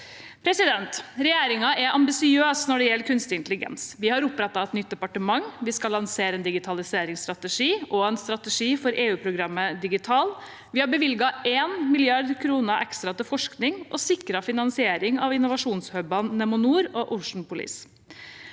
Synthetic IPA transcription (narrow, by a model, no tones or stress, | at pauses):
pʰɾɛsɪd̪ɛnt̪ɾɛjeːɾɪŋɑɛʔɑmbɪsɪøːsnɔɖɛjɛlːəkʰʉnst̪ɪnt̪lɪɡɛ̰nsʋɪhɑɾʊpːɾɛt̪ːɑɛt̪nʏt̪̚d̪ɛpɑʈəmɑŋʋɪskɑlːɑnseːɾəɛnd̪ɪɡɪt̪ʰɑlɪseːɾɪŋst̪ɾɑt̪əʂiːʔɔɛnst̪ɾɑt̪ɛʂiːfɔɾʔeːʉːpʰɾʊɡɾɑmːəd̪ɪɡɪt̪ʰɑːl | ʋɪhɑbəʋɪlɡɑʔeːnmɪlɪɑɾd̪kʰɾuːnəʔɛkst̪ɾɑt̪ɪfɔʂknɪŋʔɔsɪkɾɑfɪnɑnsɪeːɾɪŋɑʋɪnʊʋɑʂuːnshœbɑnːɛmʊnuːɾɔʔʊʋʂɳ̩pʊlḭːs